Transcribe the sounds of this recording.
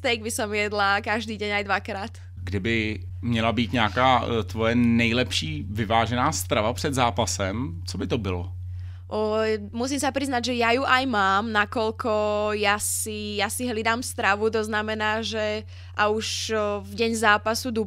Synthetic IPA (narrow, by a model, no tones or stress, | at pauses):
t̪ɛjɡ̚bɪsɔmjɛd̪lakaʒd̪iːɟɛɲajd̪ʋakɾaːt̪ | ɡdɪbɪmɲɛlabiːt̪ɲakaːt̪vɔjɛnɛjlɛpʃiːvɪvaːʒɛnaːst̪ɾavapr̝̥ɛd̪zaːpasɛm | t͡sobɪt̪obɪlɔ | musiːmsapɾiznaɟʒɛjajuʔajmaːmnakɔlkɔjasijasiɦlid̪aːmst̪ɾaʋut̪̬ɔznamɛnaːʒɛ | ʔauʃvɟɛɲzaːpasud̪u